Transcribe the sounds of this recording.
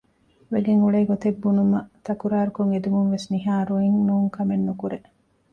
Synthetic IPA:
ʋeɡeŋuɭeːɡot̪ebːunumɐt̪ɐkuɾaːɾukoŋed̪umunʋesniɦaːɾuiŋnuːŋkɐmenːukuɾe

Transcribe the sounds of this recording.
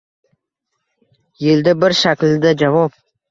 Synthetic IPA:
jɪld̪abɪɾʃakʲld̪ad͡ʒavɒp̚

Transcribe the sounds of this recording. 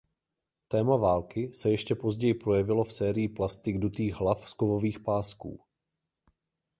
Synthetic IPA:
t̪ɛːmavaːlkɪsɛjɛʃcɛpo̞zɟɛjɪpɾo̞jɛvɪlo̞fsɛːɾɪjɪplast̪ɪɡdut̪iːɣɦlafskovo̞viːxpaːskṵː

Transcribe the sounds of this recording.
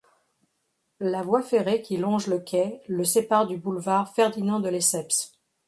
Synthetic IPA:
lavwafeʁekʲilɔ̃ʒləkʲɛləsepaʁd̪ybulvaʁfɛʁd̪inɑ̃d̪əlesɛps

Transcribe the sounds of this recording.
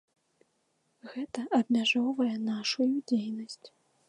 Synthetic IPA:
ɣɛt̪ɐʔɐbmʲaʐɔwvɐjɛnaʂujud͡zʲejnɐsʲt͡sʲ

